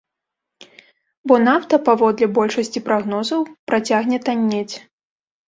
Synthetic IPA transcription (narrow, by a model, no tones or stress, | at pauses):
bɔnawt̪ɐpavɔd̪lʲɛbɔlʲʂɐsʲt͡sʲipɾaɣnɔzɐwpɾat͡sʲaɣnʲɛt̪anʲːet͡sʲ